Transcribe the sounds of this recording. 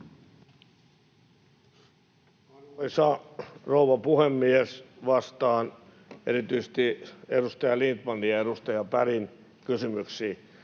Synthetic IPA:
ɑnoisɑrouʋɑpuhemːiesʋɑst̪ɑːn | eɾit̪yise̥st̪ieɾust̪ɑjɑlint̪pɑnːiɑeɾust̪ɑjɑpæɾin | kysymyksiː

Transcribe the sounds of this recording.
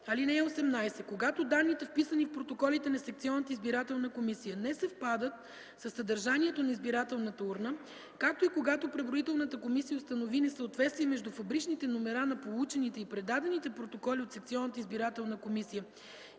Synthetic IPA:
ɐlinɛɛosɛmnajsɛkoɡat̪od̪anːit̪ɛfpisənifpɾot̪okɔlit̪ɛnɐsɛk̚t̪siɔnːət̪əizbiɾat̪ɛlˠnəkomisijənɛsɛfpad̪ət̪ | sɐsːɐd̪əɾʒanʲiɛt̪onɐizbiɾat̪ɛlˠnət̪əuɾnə | kak̚t̪oikoɡat̪opɾɛvɾoit̪ɛlˠnət̪əkomisijəost̪ɐnovinɛsəot̪vɛt̪st̪vijɛmɛʒd̪ufɐbɾit͡ʃnit̪ɛnomɛɾanɐpolˠut͡ʃɛnit̪ɛipɾɛd̪ad̪ɛnit̪ɛpɾot̪okɔliot̪sɛkt̪siɔnət̪əizbiɾat̪ɛlˠnəkomisijə

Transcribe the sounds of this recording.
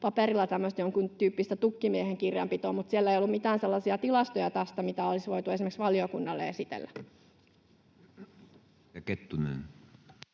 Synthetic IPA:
pɑpeɾilːɑt̪æmːøəst̪joŋkunt̪yːpːist̪æt̪ukːimieheŋkirjɑ̰mpit̪oːmut̪sielːæeijolːumit̪æːnselːɑsiɑt̪ilɑst̪ojɑt̪ɑst̪ɑmit̪æolisʋoit̪ue̞simeksʋɑliokunːɑlːḛesit̪ḛlːæ | ɑket̪ːunḛːn

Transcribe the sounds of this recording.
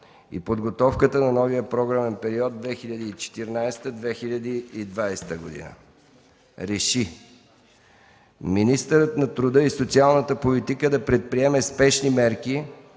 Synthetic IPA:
ḭpod̪ɡot̪ɔfkət̪ənɐnɔviəpɾɔɡɾamɛnpɛɾiɔd̪̚d̪vɛxiʎʲɐd̪iːt͡ʃɛ̥t̪iɾnajst̪əd̪vɛxilʲɐd̪iːd̪vajst̪əɡod̪ḭnə̰ | ɾɛʃi | minist̪əɾət̪nɐt̪ɾʊd̪əisot̪sialˠnət̪əpolit̪ikəd̪ɐpɾɛt̪̚pɾiɛmɛspɛʃnimɛɾki

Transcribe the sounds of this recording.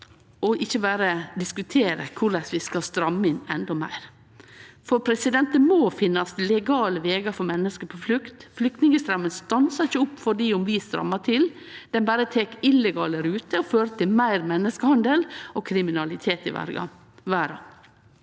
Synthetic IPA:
ɔʔɪçːəbæːɾəd̪ɪskʉt̪ʰeːɾə̰kʰʊɾlɛsʋɪskɑst̪ɾɑmɪnɛ̰nd̪ɔmæ̰ɪɾ | fɔɾpʰɾɛsɪd̪ɛnt̪ənmoːfɪnːɑst̪lɛɡɑːləʋeːɡɑfɔɾmɛnːəskəɾpʰɔflʉkt̪flʏk̚t̪nɪŋəst̪ɾɑmːənst̪ɑnsɑɾɪçːəʊpːfɔɖiːʊmʋɪst̪ɾɑ̰mːɑt̪ʰɪl | d̪̥ɛnbæːɾət̪ʰeːkɪlɛɡɑːləɾʉːt̪əɔføːɾət̪ʰɪlmæɪɾmɛnːəskəhɑnd̪əlɔkʰɾɪmɪnɑlɪt̪ʰeːt̪ɪ̰ʋæ̰ɾɑ̰ | ʋæːɾɑ̰

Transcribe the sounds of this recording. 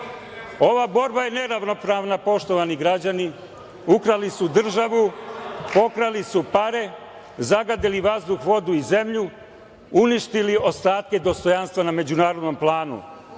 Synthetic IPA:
o̞ʋabo̞ɾbaje̞ne̞ɾaʋno̞pɾaːʋnapo̞ʃt̪oʋaniɡɾad͡ʑani | ukɾalisud̪r̩ʒaʋupo̞kɾalisupaɾe̞ | zaɡad̪iliʋazd̪uxʋo̞d̪uize̞mʎu | uniʃt̪iliʔo̞st̪aːt̪̚ke̞d̪o̞st̪o̞janst̪ʋaname̞d͡ʑunaːɾo̞d̪no̞mplˠaːnṵ

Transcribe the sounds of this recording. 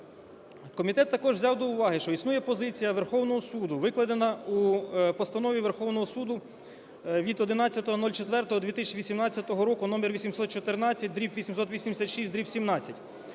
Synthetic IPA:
kɔmʲit̪ɛt̪ːɐkɔʒʋzʲɑwd̪ɔʊʋɑɦɪʃt͡ʃɔisnujɛpɔzɪt͡sʲijɐʋerxɔwnɔɦɔsud̪ʊʋɪklˠɐd̪enɐupɔst̪ɐnɔʋʲiʋerxɔwnɔɦɔsud̪ʊ | ʋʲid̪ɔd̪ɪnɑt͡sʲːɐt̪ɔɦɔnɔlʲt͡ʃet̪ʋɛrt̪ɔɦɔd̪ʋʲit̪ɪsʲʋʲisʲimnɑt͡sʲːɐt̪ɔɦɔɾɔkʊnɔmerʋʲisʲimsɔt̪̚t͡ʃɔt̪ɪɾnɑt͡sʲːɐt̚ʲd̪ɾʲipʋʲisʲimsɔt̪ʋʲisʲimd̪eɪsʲat̪ʃisʲt̚ʲd̪ɾipsʲimnɑt͡sʲːɐtʲ

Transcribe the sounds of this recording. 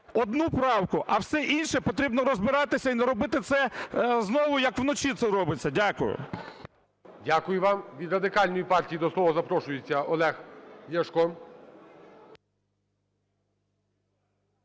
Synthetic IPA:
ɔd̪nupɾɑwkʊʔɐwsɛʔinʃɛpɔt̪ɾʲibnɔɾɔzbɪɾɑt̪ɪsʲɐinɛɾɔbɪt̪ɪt̪sɛznɔʋʊjɐkwnɔt͡ʃʲit̪sɛɾɔbɪt͡sʲːɐdʲakʊjʊ̰ | dʲakʊjʊʋɑmʋʲid̪rɐd̪ɪkɑlʲnɔjipɑrtʲijid̪ɔslˠɔʋɐzɐpɾɔʃʊjet͡sʲːɐʔɔlˠɛxjʲɐʃkɔn

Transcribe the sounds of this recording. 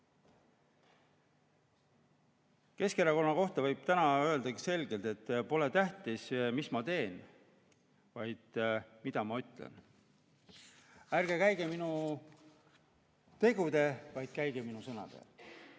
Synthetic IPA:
ke̞skeɾɑko̞nːɑko̞ht̪ɑvɤjb̥̚t̪ænɑø̞eld̪ɑkɑse̞lɡe̞lt̪e̞t̪ːpo̞le̞t̪æht̪ismismɑt̪e̞ːn | vɑjd̪̥mid̪̥ɑmɑyt̪ˑlḛn | ærɡ̥e̞kæjɡ̥e̞minu | t̪e̞ɡ̥ud̪̥e̞vɑjd̪̥̚kæjɡ̥eminusɤnɑ̰d̪̥ḛ

